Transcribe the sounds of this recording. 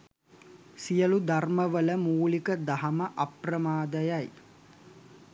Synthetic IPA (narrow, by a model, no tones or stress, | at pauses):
sijəlud̪arməʋələmuːlikəd̪aɦɐməʔaprɐmaːd̪əjaj